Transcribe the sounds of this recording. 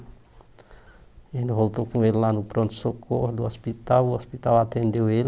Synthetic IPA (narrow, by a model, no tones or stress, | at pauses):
enuvolt̪okũellanupɾɔ̃nt̪u̥sokʰohd̪uɔspit̪awuɔspit̪awat̪ẽnd̪ewel